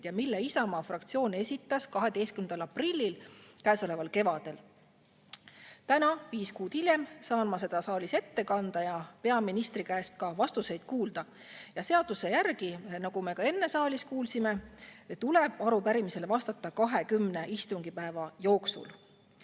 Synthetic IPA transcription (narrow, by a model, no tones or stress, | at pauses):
jɑmilːeisɑmɑːfrɑkt̪sio̞ːne̞sʲit̪ˑːɑskɑɦe̞d̪̥e̞jst̪kymnd̪ɑlɑprilʲːilkæːso̞le̞vɑlke̞vɑd̪̥e̞l | t̪ænɑviːskuːd̪̥ilje̞msɑːnmɑse̞d̪̥ɑsɑːlise̞t̪ːe̞kɑnd̪̥ɑjɑpe̞ɑminist̪rikæːst̪̚kɑvɑst̪use̞jd̪̥̚kuːld̪ɑ | jɑse̞ɑd̪̥use̞jærɡ̥inɑɡ̥ume̞kɑe̞nːe̞sɑːlʲiskuːlsime̞t̪uleb̥ɑɾupæɾimise̞levɑst̪ɑt̪ːˑɑkɑɦe̞kymne̞ʔist̪uŋɡ̥ipæe̞vɑjo̞ːksṵl